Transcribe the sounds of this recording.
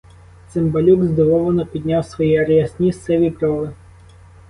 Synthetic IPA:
t̪sɪmbɐlʲuɡzd̪ɔʋɔʋˠɐnɔpʲid̪ʲnʲawsʋɔjiɐɾjɐsʲnʲisɛʋʲipɾɔlˠɪ

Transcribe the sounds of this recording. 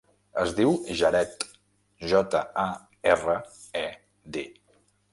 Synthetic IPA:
əzðiwʒəɾɛt̪ | ʒɔt̪əa | ɛrə | ɛ | d̪e

